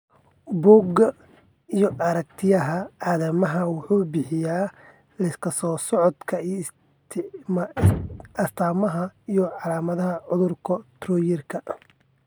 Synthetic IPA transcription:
bɔːɡɐ | ijɔʔɐɾɐk̚t̪ʰɪjɐɦɐaːðɐmɐɦɐwʊħuːbɪħɪjaː | lɐɪskʰɐsɔːsɔʕɔd̪kʰɐ | t̪ʰm | ɐst̪ʰaːmɐɦɐijɔʕɑlaːmɐðɐɦɐʕʊðʊrkʰɔt̪rɔːjɪrkʰɐ

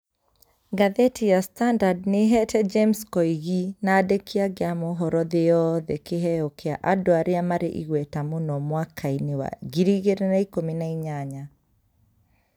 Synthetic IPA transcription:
ɡaðɛtʰijastandadneɦɛtɛd͡ʒemskɔiɣinaːdekʰiaɣeamoɦɔɾɔðeɔðɛkeɦɛɔkea̰ʔadoaɾeamaɾeʔiɣwɛtamonɔmwakʰainewa̰ɡiɾiɣeɾenaikominaiɲaɲa

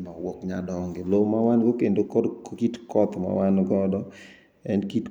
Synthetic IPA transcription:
nɔwɔkɲa̰dɔŋɡelomawanɡokendokɔdkitkɔt̪ma̰wanɡɔdɔ | ɛnkit

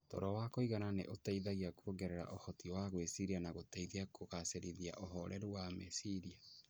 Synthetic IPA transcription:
tɔ̰ɾɔwakoiɣananḛʔotaiðaɣiakuoɡɛɾɛɾa̰ʔohɔtiwaɣwesiɾianaɣotaiðiakʰoɣaseɾiðiaʔoɦɔɾʔɛɾuwamɛsiɾia

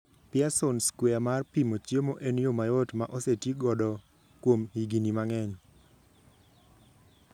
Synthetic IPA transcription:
pɪasonskwɛamarpimot͡ʃjemoʔenjomajɔtmaʔɔsetjiɡɔdɔ | kwomhiɡinimaŋɛɲ

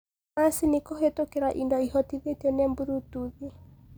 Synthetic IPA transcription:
masinikɔɦetokeɾaʔindɔihɔtiðetɛnɛmbuɾutuðe

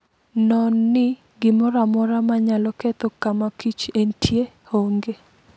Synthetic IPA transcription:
nɔnːɪ | ɡɪmɔɾamɔɾamaɲalɔkɛt̪ɔkamakit͡ʃentʰje | hoŋɡe

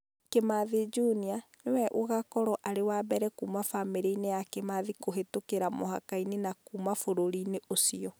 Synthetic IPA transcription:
kemaðed͡ʒunia | newɛʔoɣakɔɾɔʔaɾewaːbɛɾɛkuːmafameɾeinejakemaðikoɦetokeɾamɔha̰kainenakuːmafoɾoɾineʔosiɔ

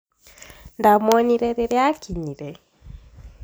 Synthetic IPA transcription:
ndamwɔɲiɾɛɾeɾeakiɲiɾɛ

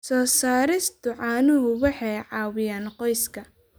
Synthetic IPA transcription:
sɔːsaːɾɪst̪ʰʊʕɑːnʊɦʊwɑħɑjʕɑːwɪjaːnqɔjskʰɐ

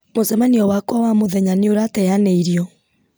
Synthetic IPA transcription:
mosɛmaniɔwakwɔwamoðɛɲaneoɾatɛjaneiɾjɔ

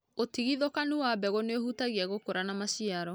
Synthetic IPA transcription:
otiɣiðokanuwabɛɣoneohutaɣiaɣokoɾanamaɕiaɾɔ

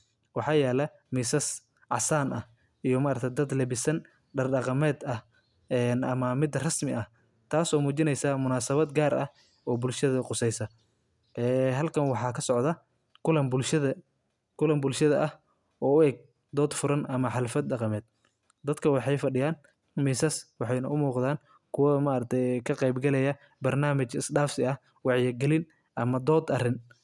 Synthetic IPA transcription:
wɑħɑːjɛːlɐ | miːsɐs | ʕɑ̰saːnʔɐ̰h | ijɔmaːɾɐk̚t̪ʰɐd̪ɐd̪lɛβɪsɐn | ɖɐrɖɐqɑmɛːd̪ɐh | ɛːnʔɐmɐmɪd̪rɐsmɪʔɐh | t̪ʰaːsɔːmuːt͡ʃɪnɛjsɐmʊnaːsɐβɐd̪ɡaːɾɐ̰h | ɔːbʊlʃɐðɐqʊsɛjsɐ | ʔɛːɦɐlkʰɐnwɑħɑːkʰɐsɔʕd̪ɐ | kʰʊlɐmbʊlʃɐðɐ | kʰʊlɐmbʊlʃɐðɐʔɐh | ʔɔːʊɛːɡ̚ | d̪ɔːd̪fʊɾɐnɐmɐħɑlɐfɐd̪ɖɑqɑmɛːd̪̥̚ | d̪ɐd̪kʰɐwɑħɑjfɐɖɪjaːn | misɐswɑħɑjnɐʊmuːqd̪aːn | kʰʊwɐmaːɐɾɐt̪ʰɛjkʰɐqɛjbɡɐlɛjɐ | bɐrnaːmɐt͡ʃɪsɖaːfsɪɐh | wɑʕjɐɡɛlɪn | ʔɐmɐd̪ɔːd̪ɐrɪn

